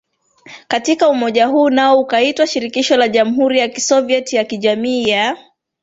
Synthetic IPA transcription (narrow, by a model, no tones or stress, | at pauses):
katikaumɔʄaɦuːnaɔukaitwaʃiɾikiʃɔlaʄam̩ɦuɾijaki̥sɔviɛtjakiʄamiːja